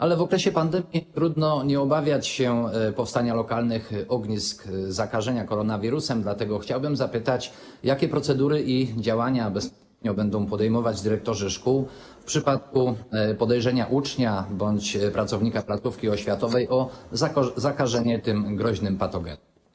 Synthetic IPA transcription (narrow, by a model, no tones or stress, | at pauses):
ʔalɛvɔkɾɛɕɛpand̪ɛmʲjit̪ɾud̪nɔɲɛɔbavʲjat͡ɕɕɛpɔfst̪aɲalɔkalnɘxɔɡɲiskzakaʐɛɲakɔɾɔnavʲiɾusɛmd̪lat̪ɛɡɔxt͡ɕawbɘmzapɘt̪at͡ɕ | jakʲɛpɾɔt̪sɛd̪uɾɘʔid͡ʑawaɲabɛsp̪ | ɲɔbɛnd̪ɔ̃w̃pɔd̪ɛjmɔvad͡ʑd̪ɘɾɛk̚t̪ɔʐɛʂkuw | fpʂɘpat̪̚kupɔd̪ɛjʐɛɲaʔut͡ʂɲabɔɲt͡ɕpɾat̪sɔvɲikaplat̪sufkʲiɔɕfʲjat̪ɔvɛjʔɔ | zakaʐɛɲɛt̪ɘmɡɾɔʑnɘmpat̪ɔɡɛ̰nu